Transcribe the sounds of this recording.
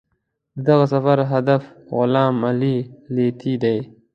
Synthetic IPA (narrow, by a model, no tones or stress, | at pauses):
d̪əd̪aɣasafaɾɦad̪af | ɣʊlɑːmalilet̪ʰid̪aj